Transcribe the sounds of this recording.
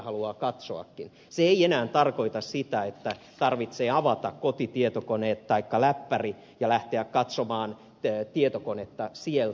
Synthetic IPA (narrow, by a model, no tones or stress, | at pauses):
hɑluɑːkɑt̪soɑ̰kːin | seeienæːnt̪ɑrkoit̪ɑssit̪æet̪ːæ | t̪ɑrʋit̪seːɑʋɑt̪ɑkkot̪it̪iet̪okoneːt̪tɑikːɑlæpːæri | jɑlæht̪eækkɑt̪somɑːn | t̪iet̪okonet̪ːɑsiel